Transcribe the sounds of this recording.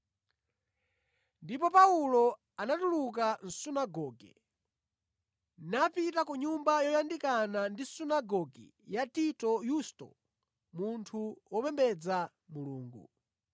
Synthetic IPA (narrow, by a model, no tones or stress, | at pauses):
ndipɔpaulɔ | anatuluk̬an̩sunaɡɔːɡɛ̰ | napitakuɲumbajɔjandikanandisunaɡɔɡɛ̰ | jatitɔjustɔ̰ | muntʰuwɔpɛmbɛd͡za | muluːŋɡṵ